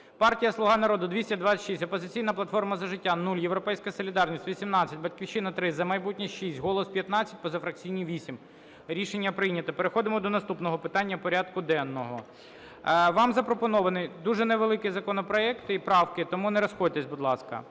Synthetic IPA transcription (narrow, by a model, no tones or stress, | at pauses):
pɑrtʲijɐslˠʊɦɑnɐɾɔd̪ʊd̪ʋʲisʲtʲɐd̪ʋɑt͡sʲɐʃisʲtʲɔpɔzɪt͡sʲijnɐplˠɐt̪fɔrmɐzɐʒɪtʲːanulʲjewɾɔpɛjsʲkɐsɔlʲid̪ɑrnʲisʲtʲʋʲisʲimnɑt͡sʲːɐtʲbɐtʲkʲiwʃɪnɐt̪ɾɪzɐmɐjbutʲnʲiʃisʲtʲɦɔlˠɔspʲjɐt̪nɑt͡sʲːɐ̥tʲpɔzɐfɾɐk̚t͡sʲijnʲiʋʲisʲim | ɾʲiʃenʲːɐpɾɪjnʲɐt̪ɐpeɾexɔd̪ɪmɔd̪ɔnɐst̪upnɔɦɔpɪt̪ɑnʲːɐpɔɾʲɑd̪kʊd̪ɛnːɔɦɔ | ʋɑmzɐpɾɔpɔnɔʋɐnɪjd̪uʒɛneʋelˠɪkɪzɐkɔnɔpɾɔɛkt̪ɪipɾɑwkɪt̪ɔmunɛɾɔsxɔdʲt̪ɛsʲbʊd̪lˠɑskɐ̰